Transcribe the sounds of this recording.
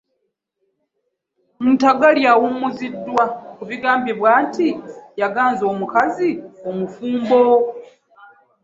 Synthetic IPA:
muntaɡaljawumːuzidːwakuβiɡaːmbiβwaːntijaɡaːnzoːmukaziomufuːmbo

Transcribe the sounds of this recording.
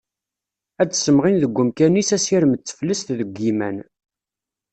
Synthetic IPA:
æt͡sːsəmʁinðəɡʷːəmkænisæsiɾəmət͡sːə̥flːəst̪ðəɡʷːimæn

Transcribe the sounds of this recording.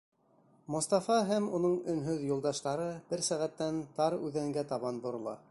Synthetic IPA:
mŏst̪ɑfɑɦæmunɤɴɵ̆nɦɵðjŏlˠd̪ɑʃt̪ɑɾɤb̥ɘɾsæʁæt̪ːænt̪ɑɾʉðæŋɡæt̪ɑβɑnbŏɾŏlˠɑ̰

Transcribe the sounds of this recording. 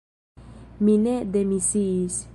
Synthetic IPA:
mineʔd̪emisis

